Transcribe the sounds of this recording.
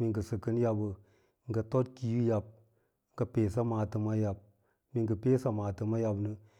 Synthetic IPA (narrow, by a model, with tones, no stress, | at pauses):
mi˨ŋɡə˨sɨ˨kə˦n˦ja˦bə˨ | ŋ̩˦ɡə˨to˦t̚ki˦ju˦ja˨b̚ | ŋ˦ɡə˨peː˨s̬a˦maː˨tɨ˨ma˦ja˨b̚ | mi˨ŋɡə˨peː˦sa˨maː˨tɨ˨ma˦ja˨bnə˦